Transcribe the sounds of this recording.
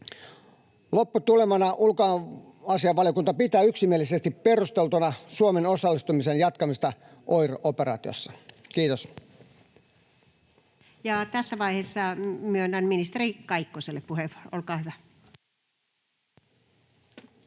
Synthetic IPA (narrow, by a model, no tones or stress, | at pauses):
lopːut̪ulemɑnɑʔulko | ɑsiɑʋːɑlijokunt̪ɑpit̪æːyksimielisest̪ippe̞rust̪e̞lt̪unɑsuomeno̞sɑlːist̪umisenjɑt̪kɑmist̪ɑ | ʔojroʔopeɾɑ̰ːt̪io̰sːɑ̥kiːt̪os | jɑt̪æsːæʋɑihesːɑmyønːænminist̪erikɑikːoselːeppuheʋu̥orʔolkɑːhyʋæ